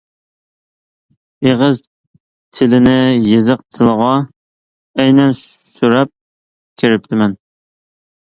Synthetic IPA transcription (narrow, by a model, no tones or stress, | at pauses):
eʁəz | t̪ʰɪlɪnɪjezəq̚t̪ʰɨlˠəʁɑ | ɛjnɛn | syɾɛp̚ | kʲʰeɾɪp̚t̪ʰɪmɛn